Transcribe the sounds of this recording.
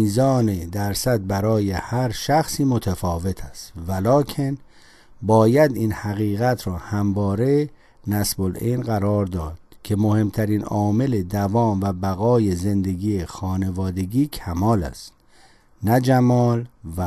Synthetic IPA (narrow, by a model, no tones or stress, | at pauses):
iːzɒːned̪æɾsæd̪̚bæɾɒːjehæɾʃæxsiːmot̪ʰæfɒːve̞t̪ʰæst̪vælɒːkʲʰe̞n | bɒːjæd̪iːnhæɣiːɣæt̪ʰɾɒːhæmvɒːɾe̞ | næsbolenɢæɾɒːɾd̪ɒːd̪̥̚kʰe̞mo̞he̞mt̪ʰæɾiːnɒːme̞led̪ævɒːmvæbæɣɒːje̞ze̞nd̪e̞ɡiːexɒːne̞vɒːd̪e̞ɡiːcʰæmɒːlæ̰st̪ | næd͡ʒæmɒːlvæ